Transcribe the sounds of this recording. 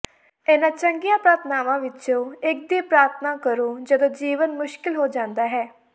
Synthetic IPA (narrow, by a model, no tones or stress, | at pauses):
eːnãːt͡ʃəŋɡijãːpɾaːɾt̪ʰnaːʋãːʋɪt͡ʃõːɪk̚d̪iːpɾaːɾt̪ʰnãːkəɾõːd͡ʒəd̪õːd͡ʒiːʋənmʊʃkɪlɦoːd͡ʒãːnd̪aːɦɛː